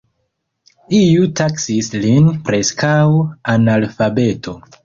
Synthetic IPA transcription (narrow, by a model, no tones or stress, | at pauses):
ijutaksislinpɾe̞skawanalfabe̞tʰo̞